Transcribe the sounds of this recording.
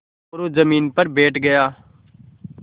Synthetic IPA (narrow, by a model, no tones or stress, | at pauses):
ʊɾoːzəmiːnpəɾbeːʈɡəjaː